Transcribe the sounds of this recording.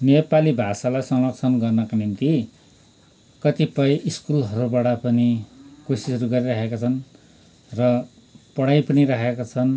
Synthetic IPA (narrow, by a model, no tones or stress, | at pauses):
nepalibʱasalajsʌŋlʌksʰʌnɡʌrnʌkanint̪i | kʌt̪ipʌjʔiskulɦʌɾubaɽʌpʌnikosisʌɾuɡʌɾiɾʌkekat͡sʰʌn | rʌ | pʌɽajpʌniɾakekat͡sʰʌn